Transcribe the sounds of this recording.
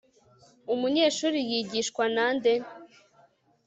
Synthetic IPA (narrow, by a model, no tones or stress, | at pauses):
umuɲe̞ʃuːɾijiɟiʃkwananden